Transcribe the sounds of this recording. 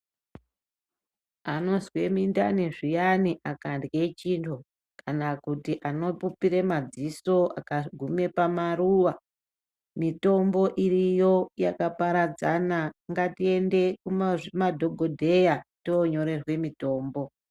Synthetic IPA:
ano̞zwe̞minda̰neʐijaniʔakandɡe̞t͡ʃintʰo̞ | kanakutiʔano̞pupiɾemad͡ziso̞a̰kaɡʱume̞pamaruːʋa | mito̞mbo̞ʔirijo̞jakapaɾad͡zanaŋɡatie̞nde̞kummadʱo̞ɡʱo̞dʱe̞jatoːɲo̞ɾe̞rwe̞mito̞ːmbo̞

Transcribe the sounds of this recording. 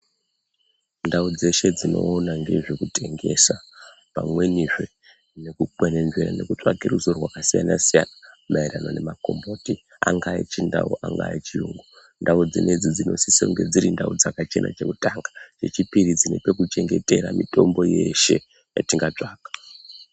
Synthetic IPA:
ndaud͡ze̞ʃe̞d͡zino̞ːnaŋɡe̞ʐekute̞ŋɡe̞sa | pa̰mwe̞niʐwe̞ | ne̞kukwene̞nʐeɾane̞kut͡ʂwaɡʱiruzorwakasijanasijanamaiɾano̞ne̞mako̞mboːti | aŋɡait͡ʃinda̰uʔaŋɡait͡ʃiuŋɡo | ndaud͡zined͡zid͡zino̞sisoŋɡe̞d͡ziɾindaud͡zakat͡ʃenʔa̰t͡ʃe̞kutaŋɡat͡ʃe̞t͡ʃipiɾid͡zinepekut͡ʃe̞ŋɡe̞te̞ɾamito̞mbo̞je̞ʃe̞ | jatiŋɡat͡ʂaːkḁ

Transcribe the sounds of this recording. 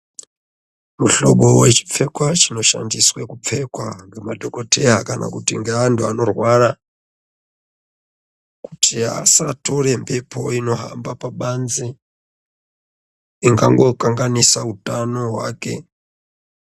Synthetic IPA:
muɬɔɓɔwɛt͡ʃi̥fʰɛkwat͡ʃinoʃa̰ndiswɛkup͡ffʰɛkwaŋɡamadɔkɔtʰɛɦakanʔa̰kutiŋɡaantʰuanɔrwaɾa | ku̥tʰia̰satʰoɾɛmpʰɛpʰɔinɔɦa̰mbapaɓand͡zi | iŋɡa̰ŋɡokaŋɡanisautanɔɦwa̰kɛ̰

